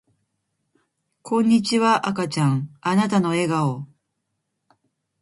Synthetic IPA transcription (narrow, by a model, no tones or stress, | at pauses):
kʰõ̞ɲ̟ːit͡ɕiβaʔakat͡ɕãŋanat̪ano̞e̞ɡao